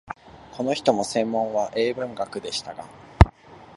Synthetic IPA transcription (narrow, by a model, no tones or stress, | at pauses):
kʰo̞no̞çi̥t̪o̞mo̞sẽ̞mːõ̞ɰ̃βaʔe̞ːbɯ̟̃ŋɡakɯ̟d̪e̞ɕi̥t̪aɡa